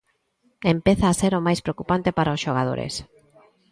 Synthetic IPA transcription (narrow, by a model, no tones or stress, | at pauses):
empeθaːseɾomajspɾeokupant̪epaɾaosʃoɣ̞aðo̰ɾḛs